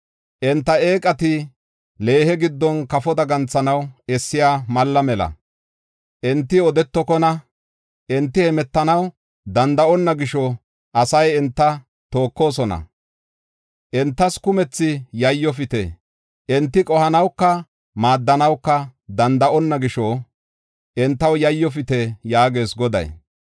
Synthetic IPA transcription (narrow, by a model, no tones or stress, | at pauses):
ʔɛnt̪ːɐe̞ːkʼɐt̪ɪ | le̞ːhɛɡɪd̪ːɔnkɐfɔd̪ɐɡɐnt͡sːɐnɐwɛsːɪjaːmɐlːɐmɛlɐ̰ | ʔɪnt̪ːɪɔd̪ɛt̪ːɔkɔnɐ | ʔɪnt̪ːɪhɛmɛt̪ːɐnɐw | d̪ɐnd̪ɐʔɔnːɐɡɪʃɔ | ʔɐsɐjɛnt̪ːɐ | t̪o̞ːkːo̞ːsɔnɐ̰ | ʔɛnt̪ːɐskʊmɛt͡sːɪjɐjːɔfɪt̪ḛ | ʔɛnt̪ːɪkʼɔhɐnɐwkːɐ | maːd̪ːɐnɐwkːɐd̪ɐnd̪ɐʔɔnːɐɡɪʃɔ | ʔɛnt̪ːɐwjɐjːɔfɪt̪ɛjaːɡe̞ːsɡɔd̪ɐ̰j